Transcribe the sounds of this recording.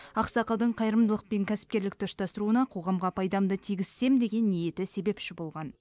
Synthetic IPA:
ɑqsɑqəlˠd̪əɴqʰɑjɾəmd̪əlˠəq̚pe̞ŋkʲʰæsɪ̥p̚kʲe̞ɾlɪk̚t̪ʰʊʃt̪ɑst̪əɾuənɑqʰo̞ʁɑmʁɑpʰɑjd̪ɑmd̪ət̪ʰiɡʲɪz̥se̞md̪e̞ɡʲe̞nːije̞t̪ɪse̞be̞pʃɪbo̞lˠʁɑn

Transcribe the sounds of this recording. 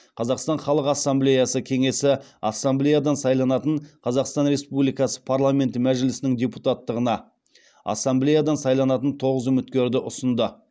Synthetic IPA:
qʰɑzɑqst̪ɑɴχɑlˠəqɑsːamblʲe̞jɑsəkʲʰe̞ŋe̞sɪɑsːamblʲejad̪ɑnsɑjlˠɑnɑt̪əɴqʰɑzɑqst̪ɑnɾe̞spublijkɑsə̥pʰaɾlˠamʲe̞nt̪mæʒɪlɪsɪnɪŋd̪ʲeput̪at̪ːəʁənɑ | ɑ̰sːamblejad̪ɑnsɑjlˠɑnɑt̪ənt̪ʰo̞ʁəzʏmɪt̪kʲe̞ɾd̪ɪʔʊsənd̪ə

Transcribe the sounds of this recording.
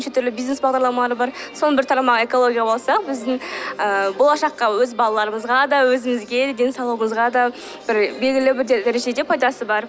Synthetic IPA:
nʃet̪ʰʏɾlɪbijzne̞sbɑʁd̪ɑɾlˠɑmɑlˠɑɾəbɑɾso̞nəbɪɾt̪ʰɑɾmɑʁɑe̞ko̞lˠo̞ɡʲijɑbo̞lˠsɑqbɪzd̪ɪŋəbo̞lˠɑʃɑqːɑwɵzbɑlˠɑlˠɑɾəməzʁɑd̪ɑwɵzɪmɪzɡʲe̞d̪d̪e̞nsɑlˠuwəɴəzʁɑd̪ɑ | b̥ɪɾbe̞lʲɡʲɪlɪbɪɾd̪eɾeʒe̞d̪e̞pʰɑjd̪ɑsəbɑɾ

